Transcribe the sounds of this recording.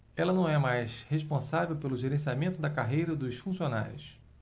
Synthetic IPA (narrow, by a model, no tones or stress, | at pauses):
ɛlɐnɐ̃w̃ɛmajsheʃpõsavewpelʊʒeɾẽsiamẽnt̪ʊd̪ɐkaɦejɾɐd̪ʊʃfũsiona̰ɾjʊs